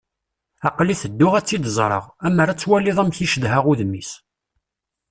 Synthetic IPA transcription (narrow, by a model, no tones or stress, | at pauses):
ɑqliθəd̪ːʊʁæt͡sːid̪zˤɾˤə̰ʁæməɾat͡sːwælːiðˤæmçiʃəðɦaʁuðmːis